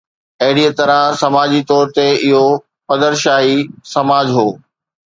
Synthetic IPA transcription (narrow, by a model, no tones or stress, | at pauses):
ɐɦɪɽiət̪ɐɾãsɐmaːd͡ʑit̪ɔːɾt̪eɪɦo | pɐd̪əɾʃaːɦisɐmaːd͡ʑɦoː